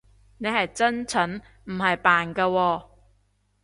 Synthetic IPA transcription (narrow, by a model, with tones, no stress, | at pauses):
ne˨˧jhɐ˨jt͡sɐ˥nt͡sʰɵ˨˥n | m̩˨˩ɦɐ˨jpaː˨nkaː˧wɔː˧